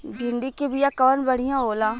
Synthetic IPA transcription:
d͡ʒʱɪɳɖ̪ikebijaːkəʋənbəɽ̤ijãːɦoːlãː

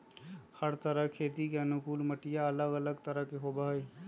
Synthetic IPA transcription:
həɾt̪əɾəkʰet̪ikeənukulməʈijaələɡələɡt̪əɾəɦkeɦobəɦəj

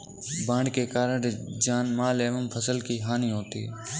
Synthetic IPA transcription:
bãːɳɖkeːkaːɾəɾd͡ʒaːnmaːleːʋəmpʰəsəlkiːɦaːniːɦoːt̪ḭː

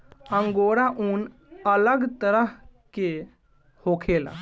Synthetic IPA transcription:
ə̃ŋɡoːɾaʔuːn | ələɡt̪əɾəɦke | hoːkʰeːla̰

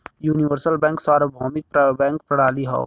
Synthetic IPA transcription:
juːnɪʋəɾsəlbɛ̃ːŋksaːɾobʱɔːmɪk̚pbɛ̃ːŋkpɾɐɽ̤aːliɦɔ̰ː

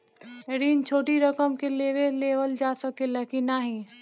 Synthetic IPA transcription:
ɾiːnt͡ʃʰoːʈiɾɐkəmkeleːʋeleːʋəld͡ʒaːsəkelɐkinaɦĩː

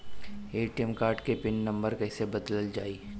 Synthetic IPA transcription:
eːʈijəmkaːɾʈkepɪnːɐ̃mbəɾkɛːsebɐd̪ləld͡ʒaːiː

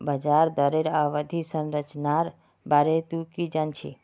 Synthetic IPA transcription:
bəd͡ʒaɾd̪əɾeɾaʋəd̪ʱisə̃nɾət͡ʃnaɾ | baɾet̪ukid͡ʒant͡ʃʰḭ

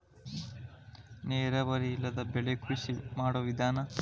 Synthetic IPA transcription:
neːɾɐʋɐɾiilːɐd̪ɐbeɭekusimaːɽoʋid̪ʱaːnɐ

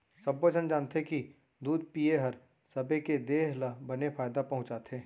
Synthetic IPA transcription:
sɐbːəd͡ʒʱənd͡ʒaːnt̪eki | d̪uːd̪̚pijeɦɐɾ | sɐbʱeked̪eːɦlabɐnefʰaːjd̪apɐɦʊ̃t͡ʃaːt̪ʰẽː

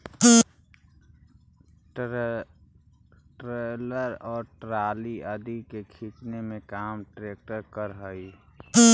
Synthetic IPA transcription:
ʈɾeːləɾɔːɾʈɾaːliəd̪ikekʰiknemẽkaːmʈɾeːk̚ʈəɾkəɾɦəi

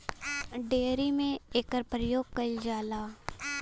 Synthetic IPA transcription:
ɖeːɾimẽeːkəɾpɾəjoːɡ̚kəld͡ʒaːlaː

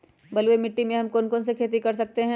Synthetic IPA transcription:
bɐlwemɪʈːimẽɦɐmkoːnkoːnsekʰeːt̪̬ikɐɾs̬ɐk̚t̪eɦɛ̃

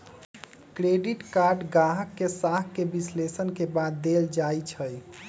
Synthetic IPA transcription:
kɾeɖiʈkaɾɖɡaɦəkːesaɦkːebislesənkebad̪ːeld͡ʒajt͡ʃʰəj

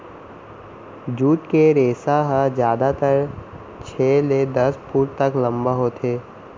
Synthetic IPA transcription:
d͡ʒuːt̪keɾeːsaɦəd͡ʒjaːd̪at̪əɾ | t͡ʃʰeːled̪ɐspuːɾt̪əklə̃mbaɦoːt̪ʰeː

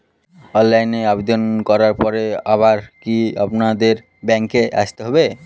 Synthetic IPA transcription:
ɔnlajneabed̪onkɔɾaɾpɔɾeaβaɾkia̰pnad̪eɾ | bɛŋkeʔa̰ʃt̪eɦɔbe

